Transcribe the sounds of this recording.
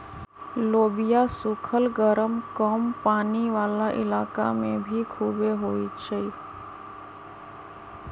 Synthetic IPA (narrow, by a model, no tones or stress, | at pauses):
loːbɪjasʊkʰəlɡəɾəmkəmpaːniʋaːlaʔɪ̰laːka̰mẽbʱikʰuːbeɦoːit͡ʃʰe